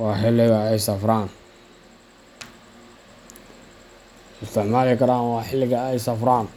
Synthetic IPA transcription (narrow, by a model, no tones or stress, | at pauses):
wɑːħɪlːɪɣɐɛjsɐfɾaːn | ɪst̪ʰɪʕmaːlɪkʰɐɾaːnwɑːħɪlːɪɣɐɛjsɐfɾaːn